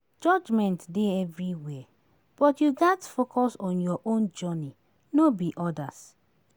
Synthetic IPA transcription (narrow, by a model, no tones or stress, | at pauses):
d͡ʒɔd͡ʒmɛ̃ntdeɛvɹiwɛ | b̥ɔtjuɡɛtfokʰɔsɔ̃njɔʔõnd͡ʒɔni | nobiʔɔdas